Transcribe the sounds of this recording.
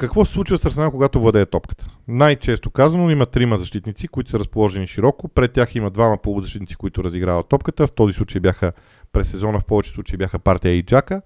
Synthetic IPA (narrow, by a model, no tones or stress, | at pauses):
kɐkvɔsɛ̥slˠut͡ʃivɐsəɾsɛnakoɡat̪ovlˠɐd̪ɛt̪ɔpkə̥t̪ə̥najt͡ʃɛst̪okazɐnoimɐt̪ɾiməzɐʃt̪it̪nit̪sikoit̪ʊ̥səɾɐspolˠɔʒɛniʃiɾɔkopɾɛt̪ːʲjaximəd̪vamɐpolˠzɐʃt̪it̪nit̪i̥koʊit̪ʊɾɐziɡɾavɐt̪ːɔp̚kət̪əft̪ɔzislˠut͡ʃəibʲjaxə | pɾɛsːɛzɔnəfpɔvɛt͡ʃɛ̥slˠut͡ʃɐibʲjaxəpaɾt̪ijəid͡ʒakə